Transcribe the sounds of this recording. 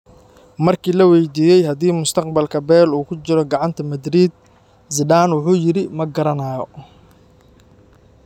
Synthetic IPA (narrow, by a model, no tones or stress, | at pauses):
mɐrkʰiːlɐwɛjd̪iːjɛjɦɐðiːmʊst̪ʰɐqbɐlkʰɐbɛːluːkʰʊt͡ʃɪɾɔɡɑʕɑnt̪ʰɐmɐd̪ɾiːd̪̚ | sɪdaːnwʊħuːjɪɾɪmɐɡɐɾɐnaːjɔ